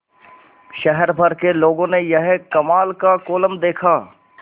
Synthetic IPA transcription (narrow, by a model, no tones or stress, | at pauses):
ʃɛɦɛɾbʱɐɾkeloːɡõnejɐɦkɐmaːlkakoːləmd̪eːkʰaː